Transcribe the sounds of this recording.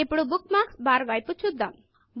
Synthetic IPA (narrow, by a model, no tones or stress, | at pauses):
epɽubuk̚maksbaɾʋajput͡ʃʰud̪am | b